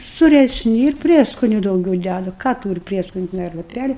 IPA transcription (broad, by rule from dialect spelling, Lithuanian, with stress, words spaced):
sʊrʲɛsʲˈnʲɪ ɪr ˈpʲrʲiɛskoːnʲʊ dɐʊˈɡʲɛʊ ˈdʲædʊ ˈkɑː ˈtuːrʲɪ ˈpʲrʲiɛskoːnʲʊ tʲɛˈnɐɪ ɐr lˠɐˈpʲælʲɪ